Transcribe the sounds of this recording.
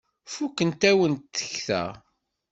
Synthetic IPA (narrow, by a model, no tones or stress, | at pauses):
fukːənt̪æwənt̪ːə̥çθæ̰